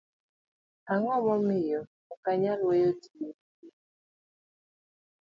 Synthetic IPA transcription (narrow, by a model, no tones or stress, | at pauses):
aŋɔmɔmɪjɔ | ukaɲalwejotiji